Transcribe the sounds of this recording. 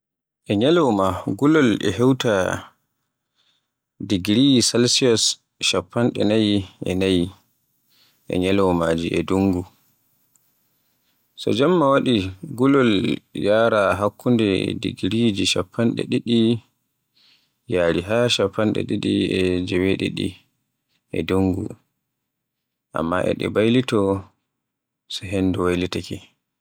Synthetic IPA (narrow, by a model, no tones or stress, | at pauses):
ʔɛɲɛlɛwmaɡulɔlɛ̰ɦɛwta | diɡɾiisalsiɔs | ʃapːanɗɛ̰najiʔɛ̰naji | ʔɛ̰ɲɛlɛwmaːd͡ʒiʔɛ̰duŋɡu | sɔ̰d͡ʒamːawaɗiɡulɔljaːɾaɦakːundɛdḭɡɾid͡ʒiʃapʰːanɗɛ̰ɗiɗi | jaːɾiɦaʃapːanɗɛ̰ɗiɗiɛd͡ʒɛweɗḭɗḭ | ʔɛ̰duŋɡṵ | ʔa̰mːa̰ʔɛ̰ɗɛ̰bajlitɔ | sɔɦenduwajlitaki